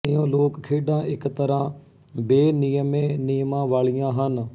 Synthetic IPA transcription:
ɪjõːloːkkʰeːɖãːʔɪkt̪əɾãː | beːnɪjəmẽːniːmãːʋaːɭijãːɦən

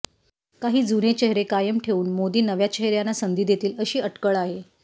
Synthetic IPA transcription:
kaɦiːd͡zunet͡ɕeɦɾekajəmʈʰeʋuːnmod̪iːnəʋjat͡ɕeɦɾjanːasənd̪iːd̪jet̪iːləɕiːəʈkəɭaɦe

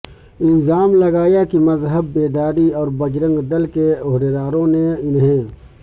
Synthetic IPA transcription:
ɪlzaːmlɐɡaːjakimɐzɦəbːeːd̪aːɾiɔːɾbɐd͡ʒɾə̃ŋɡɖ̪ɐlkeoɦd̪ed̪aːɾõneɪnɦɛ̃ː

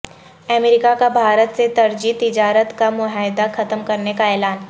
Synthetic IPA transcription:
ɛmeːɾɪkakabʱaːɾət̪set̪ɐɾd͡ʒit̪ɪd͡ʒaːɾət̪kamʊɦaːɪd̪axɐt̪əmkɐɾnekaɛːlaːn

